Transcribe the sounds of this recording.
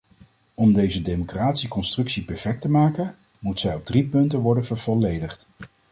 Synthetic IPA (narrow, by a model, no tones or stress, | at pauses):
ɔmdejzədejmokraːtsikɔnstrɵksipɛɹfɛk̚təmaːkən | mutsɛjɔb̚dripɵntənʋɔɹdənvəɹv̥ɔlejdəχt